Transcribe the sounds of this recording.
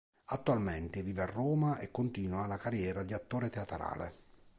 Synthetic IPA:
at̪ːualmɛnt̪ɪviːvearːoːmaekːont̪iːnwalakarjɛːɾad̪iat̪ːoːɾet̪eat̪ɾa̰ːlḛ

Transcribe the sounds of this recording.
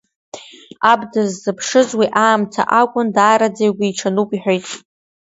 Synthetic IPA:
abdɨzːɨpʰʂɨzwiʔaːmtʰa̰ʔakʷʼʊndaːɾad͡zejɡʷiːʈ͡ʂʰanukʷʼiħʷᶣojtʼ

